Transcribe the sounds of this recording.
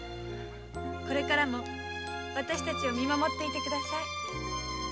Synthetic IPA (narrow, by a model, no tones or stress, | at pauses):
ko̞ɾe̞kaɾamo̞ | βat̪aɕi̥t̪at͡ɕiomʲimamo̞t̪ːe̞it̪e̞kɯ̟d̪asai